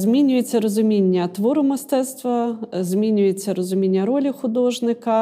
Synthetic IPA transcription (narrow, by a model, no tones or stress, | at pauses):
zmʲinʲʊjet͡sʲːɐɾɔzʊmʲinʲːɐt̪ʋɔɾʊmɪst̪ɛt̪st̪ʋɐzmʲinʲʊjet͡sʲːɐɾɔzʊmʲinʲːɐɾɔlʲixʊd̪ɔʒnɪkɐ